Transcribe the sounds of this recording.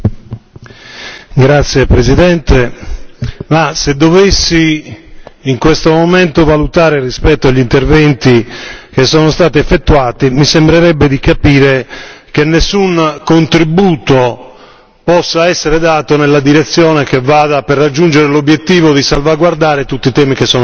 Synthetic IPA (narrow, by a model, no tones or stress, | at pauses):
ɡɾat̪sːjepɾezid̪ɛnt̪e | mased̪ovesːiː | ŋkwest̪omomɛnt̪ovalut̪aːɾerispɛt̪ːoaʎːint̪ervɛnt̪ik̟esːɔːnost̪aːt̪iɛfːet̪ːuaːt̪imisembɾeɾɛbːed̪ikapiːɾek̟enːesːunkont̪ɾibuːt̪o | pɔsːaɛsːeɾed̪aːt̪onelːad̪iɾet̪sːjɔːnek̟evːaːd̪aperːad͡ʒːund͡ʒeɾelobjet̪ːiːvod̪isalvaɡward̪aːɾet̪ut̪ːit̪ɛːmikesːɔːn